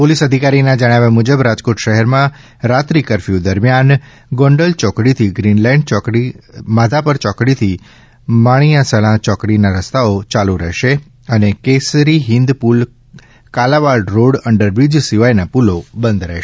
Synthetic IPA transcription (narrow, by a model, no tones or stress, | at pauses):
polisəd̪ʱikaɾinãd͡ʒəɽ̃aʋamud͡ʒəbɾad͡ʒkoʈʃəɦɛɾmã | ɾat̪ɾikəɾfiud̪əɾmjan | ɡɔ̃ɳɖəlt͡ʃɔkɽit̪ʰiɡɾinlãɳɖt͡ʃɔkɽimad̪ʱapəɾt͡ʃɔkɽit̪ʰi | maɽ̃ijãsəlãt͡ʃɔkɽinaɾəst̪aot͡ʃaluɾə̰ɦʃe | ənekesɾiɦɪ̃nd̪pul | kalaʋaɾɖɾoɽəɳɖəɾbid͡ʒsiʋajnapulobənd̪ɾɛ̰ɦʃ